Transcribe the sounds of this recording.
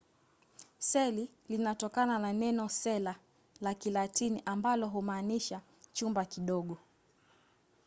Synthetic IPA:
sɛli | linatɔkanananɛnɔsɛla | lakilatiniʔambalɔɦumaːniʃa | t͡ʃumbakiɗɔɠɔ

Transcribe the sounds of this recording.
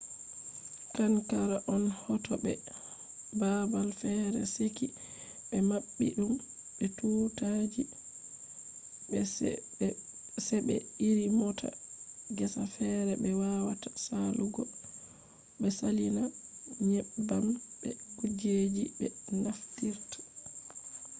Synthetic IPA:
kaŋkaɾaʔɔnhɔtɔbɛ̰ | babalfɛɾɛ̰seki | ɓɛmaɓːḭɗum | ɓɛtuːtad͡ʒi | sɛɓɛ̰iɾimɔtʰa̰ɡɛsafɛɾɛbɛwawatasaluɡɔ | ɓɛsalinaɲɛbalbɛ̰ɡud͡ʒed͡ʒiɓɛnaftiɾtḁ

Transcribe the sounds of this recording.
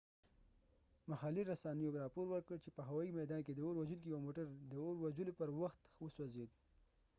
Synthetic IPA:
mahɑliɾasɑnəjoɾɑpoɾwəɾkəɽt͡ʃepəɦawɑimajd̪ɑnked̪əoɾwad͡ʒulk̬ijwamoʈaɾd̪əoɾwad͡ʒulopəɾwaxt̪wəswazed̪̚

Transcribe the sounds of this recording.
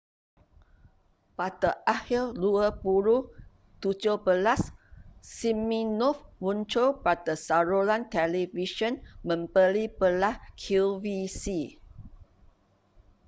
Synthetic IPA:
patəʔahilluəbuɾu | t̪ud͡ʒobəlassimĩnɔfwũnt͡ʃolpat̪əsaɹolãnt̪ɛliviʃə̃nmə̃mbəlipəlahkʰuvisi

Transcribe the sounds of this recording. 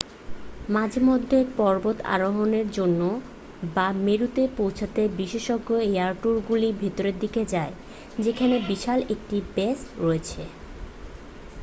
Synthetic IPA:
mad͡ʑʱemod̪ʱːepɔɾbot̪a̰ɾoɦoneɾd͡ʑonːo | bameɾut̪epowt͡ɕʰat̪ebiʃeʃɔɡːoeaɾʈuɾɡulibʱet̪oɾeɾd̪iked͡ʑae | d͡ʑekʰanebiʃalek̚ʈibesɾoet͡ɕʰe

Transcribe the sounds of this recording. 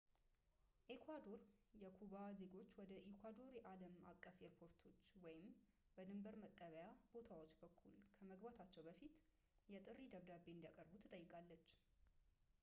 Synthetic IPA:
ʔekʰʷwad̪o̞ɾjɛkʰuβaze̞ɡo̞t͡ʃːwɔd̪əʔekʰwad̪o̞ɾjɛʔaləma̰kʼːəfeɾpʰo̞ɾt̪ʰo̞t͡ʃːwɔjɪm | b̥əd̪ɨmbəɾməkʼːəβəjab̥o̞t̪ʰawo̞t͡ʃːbəkʰːulkʰəməɡbat̪ʰat͡ʃːɛwbəfit̪ | jɛt̪ʼɨrːid̪əβd̪abe̞nd̪jakʼəɾbut̪ʰɨt̪ʼəjːɪkʼalːət͡ʃː

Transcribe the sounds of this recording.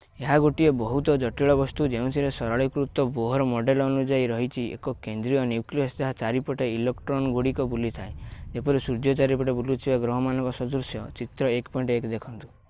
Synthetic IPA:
eɦaɡoʈiebɔɦut̪ɔd͡ʒɔʈiɭɔbɔst̪ud͡ʒeũt̪ʰiɾesɔɾaɭikɾut̪ɔboɦɔɾɔmɔɖelɔːnud͡ʒaiɾɔɦit͡ʃʰiḛkɔkend̪ɾijɔnjukliɔsd̪eɦat͡ʃaɾipɔʈeilekʈɾɔnɡoɽikɔbulit̪ʰaed͡ʒepɔɾesuɾd͡ʒɔt͡ʃaɾipɔʈebulut̪ʰibaɡɾɔɦɔmanɔ̃ŋkɔsɔd̪ɾusjɔt͡ʃit̪ɾɔekpɔĩɳʈekd̪ekʰɔnt̪u̥

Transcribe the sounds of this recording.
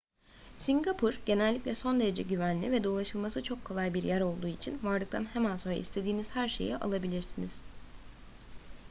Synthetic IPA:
siŋɡapʰuɾɟ̥e̞nɛlʲːiclʲɛso̞nd̪e̞ɾe̞d͡ʒɛ̰ɟyvænlʲivɛd̪o̞ːlˠaʃɯlˠmasɯt͡ʃʰo̞kʰːo̞lˠajbiɾjæɾo̞lˠd̪uːit͡ʃʰinvaɾlˠɯk̚t̪ʰanhemænso̞nɾa̰ḭst̪ʰe̞d̪iːnizhæɾʃe̞̰jiʔa̰lˠabilʲiɾsiniz̥

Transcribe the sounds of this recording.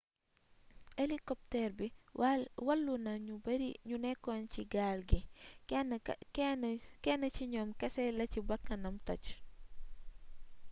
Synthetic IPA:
ʔelikɔp̚tɛrbi | wɐlːunɐɲubɐɾiɲunɛkːɔnciɡalɡi | kɛnːɐt͡ʃiɲɔːmkɐsɛlɐcibɐkːɐnɐmtɔt͡ʃ

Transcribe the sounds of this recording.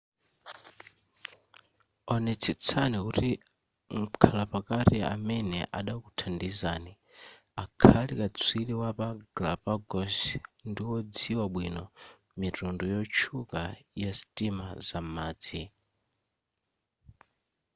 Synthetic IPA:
ɔnɛt͡sʰit͡sʰaniuɾi | ŋ̩kʰalapakaɾia̰mɛnɛʔaɗakutʰandizaːni | akʰalikʼat͡sʰwiliwapaɡlapaɡɔsndiwɔd͡ziwaɓwinɔ | mitundujɔt͡ʃʰukajasitimazamaːd͡zi

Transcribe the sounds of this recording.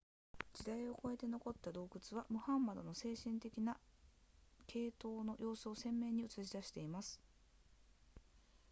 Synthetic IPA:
d͡ʑid̪aio̞ko̞e̞t̪e̞no̞ko̞t̪ːad̪o̞ːkɯ̟t͡sɨβamɯ̟hãmːad̪o̞no̞se̞ːɕĩnt̪e̞kʲina | kʰe̞ːt̪o̞ːno̞jʔo̞ːsɨo̞sẽ̞mːẽ̞ːɲ̟iɯ̟t͡sɨʑid̪aɕi̥t̪e̞imasɨ̥

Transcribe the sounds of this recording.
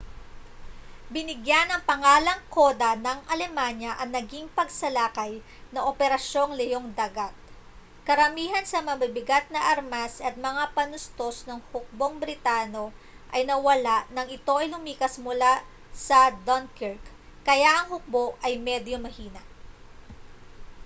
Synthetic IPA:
bɪnɪɡjanɐŋpɐŋaːlɐŋko̞d̪ɐnɐŋʔɐlɛmanjɐʔɐŋnɐɡiŋpɐɡsɐlaːkɐj | nɐʔopɛɾɐʃo̞ŋlɛjoŋd̪aɡat̪̚ | kɐɾɐmiːɦɐnsɐmɐbɐbɪɡat̪̚nɐʔɐɾmasɐt̪̚mɐŋapɐnʊst̪o̞snɐŋhʊk̚bo̞ŋbɾɪt̪aːno̞ | ʔɐjnɐwɐlaʔnɐŋɪt̪o̞ʔɐjlʊmiːkɐsmʊla | sɐd̪onkɪɹkː | ɐjaʔɐŋhʊk̚bo̞ʔɐjmɛd̪jomɐhiːnɐʔ

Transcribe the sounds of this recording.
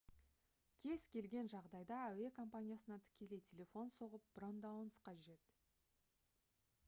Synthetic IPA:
kʲʰe̞z̥kʲʰe̞lɡʲe̞nʒɑʁd̪ɑjd̪ɑæwe̞kʰo̞mpanʲijasənɑt̪ʰʏ̥kʲe̞le̞jtʲʰe̞lʲe̞fo̞nso̞ʁəp̚b̥ro̞nd̪ɑwnsqɑʒe̞t̪

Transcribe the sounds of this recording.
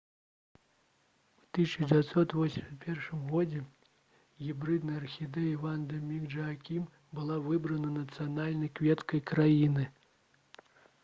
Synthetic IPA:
wt̪ɨsʲt͡ʃɐd͡zʲat̪ʲsɔt̪vɔsʲimʲsʲɐt̪pʲɛrʂɨmɣɔd͡zʲɛ | ɣʲibɾɨd̪nɐjɐrxʲid̪ɛjivand̪ɐmʲiɣʐɐakʲim | bɨlˠavɨbɾɐnɐnɐt̪sɨjanalʲnɐjkvʲɛt̪kɐjkɾajinɨ

